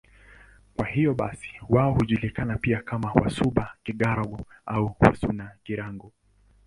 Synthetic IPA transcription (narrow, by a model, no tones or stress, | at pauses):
kwahijɔɓa̰si̥waɔhuʄulikanapiakamawa̰suɓakiɠaɾaɡɔauwa̰sunaʄiɾaŋɡɔ